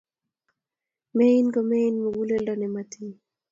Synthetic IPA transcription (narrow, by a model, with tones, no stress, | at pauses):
mɛ˦i˦nkɔ˨me˦inmo˨ɡu˦le˦ldanɛmati